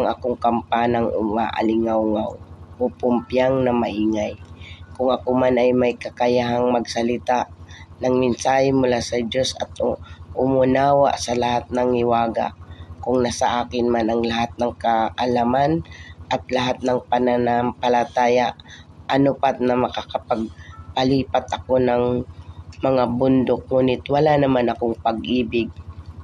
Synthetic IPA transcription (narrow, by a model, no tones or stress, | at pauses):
ŋʔɐkoŋkɐmpanaŋʊ̰maʔa̰lɪŋawŋawʔopʊmpjaŋnɐmɐʔiːŋajkʊŋʔɐkomanɐjmɐjkɐkajaɦaŋmɐɡsɐlɪt̪aʔnɐŋmɪnsaːhɪmʊlaːsɐd͡ʒosɐ̰t̪̚ʔʊmʊnaːwa̰ʔsɐlɐhat̪̚nɐŋhɪwaːɡa̰ʔkʊŋnasɐʔaːkɪnmanɐŋlɐɦat̪̚nɐŋkɐʔalamanʔɐt̪̚lɐɦat̪̚nɐŋpɐnanampɐlɐt̪aːjaʔʔɐnopat̪̚nɐmɐkakɐpɐɡ̚pɐliːpɐt̪ɐko̞nɐŋ | mɐŋabʊnd̪ok̚ŋuːnɪt̪wɐlanɐmanɐkoŋpɐɡʔiːbɪɡ̚